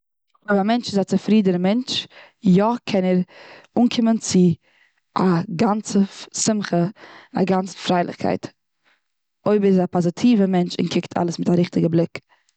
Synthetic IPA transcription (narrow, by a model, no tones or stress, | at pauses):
ɔɪbamɛnt͡ʃɪzat͡səfɾiːdənəmɛnt͡ʃ | jɔkʰɛnɛɾuːnkʰɪmənt͡sɪ | aɡant͡səsɪmχəna̰ɡant͡sə̥fɾaɪlˠɪ̰χkʰa̰ɪt | oɪbəɪzapazɪtʰiːvəmɛnt͡ʃɪ̰nkʰɪktʰa̰lˠəsmɪtaɾɪχtɪɡəblˠɪk